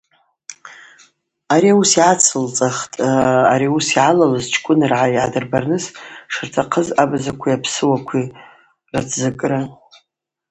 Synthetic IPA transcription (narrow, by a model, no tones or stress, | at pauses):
aɾiusiʕat͡sʰɨlt͡sʼaχtʼa̰ɾiusiʕalalɨzt͡ʃʰkʷʼʊnɨrʕaiʕa̰dɨrbarnɨsʂɨrtʰaqʰəzabzakʷʰijapʰsɨwakʷʰi | rat͡sʰzɨkʼra